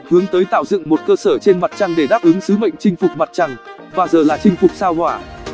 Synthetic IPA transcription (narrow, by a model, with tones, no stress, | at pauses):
hɨ˨˦əŋt̪əː˨˦jt̪a̰ː˧˨wzɨ̰˧˨əŋmo˨˩t̚kəː˧səː˧˩t͡ɕe˧nma˨˩t̚t͡ɕa˧ŋɗe˧˩ɗaː˦˥p̚ʔɨ˨˦ŋsɨ˨˦mə̰˧˨jŋ̟t͡ɕï˧ŋ̟fʊ˨˩k͡p̚ma˨˩t̚t͡ɕa˨˩ŋ | vaː˨˩zəː˨˩laː˨˩t͡ɕï˧ŋ̟fʊ˨˩k͡p̚saː˧whwaː˧˩